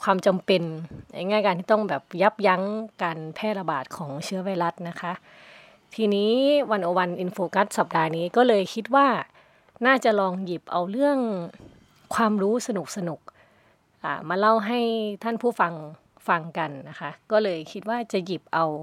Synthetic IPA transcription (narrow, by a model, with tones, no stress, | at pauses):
kʰwaː˧mt͡ɕa˧mpe˧nna̰˧˩jŋaː˥˩jkaː˧nt̪ʰiː˥˩t̪ɔ˥˩ŋbɛː˨˩p̚ja˦˥p̚ja˧˥ŋkaː˧npʰɛː˧˥˩t̪̚la˧baː˨˩t̪̚kʰɔː˩˦ŋt͡ɕʰɯ˧˦˥ɐwa˧˩jla˦˥t̪̚na˦˥kʰa˦˥ʔ | t̪ʰiː˧niː˦˥wa˧nʔo˧wa˧nʔi˧nfoː˧ka˦˥t̪̚sa˨˩p̚daː˧niː˦˥kɔː˥˩lɤː˧jkʰi˦˥t̪̚waː˥˩ | naː˥˩t͡ɕa˨˩lɔː˧ŋji˨˩p̚ʔa˧wlɯ˥˩əŋ | kʰwaː˧mɾuː˦˥sa˧nu˨˩k̚sa˧nu˨˩k̚ | ʔa̰ː˨˩maː˧la˥˩wɦa˥˩jt̪ʰaː˥˩npʰuː˥˩fa˧ŋ | fa˧ŋka˧nːa˦˥kʰa˦˥kɔː˥˩lɤː˧jkʰi˦˥t̪̚waː˥˩t͡ɕa˨˩ʔji˨˩p̚ʔa˧w